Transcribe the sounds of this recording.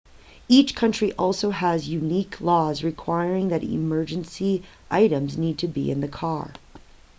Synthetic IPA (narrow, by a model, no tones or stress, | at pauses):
it͡ʃkʰʌ̃nt͡ʃɹ̥iʔɔlˠsoʊəzjʉnikʰlɔzɹɨkʰw̥aɪɹɪ̃ŋðɨɾɪ̰mɜ˞d͡ʒɨ̃nsi | ʔaɪɾɨ̃mznid̚tʰɨbḭɨ̰̃nðɨkʰɑ̰ɹ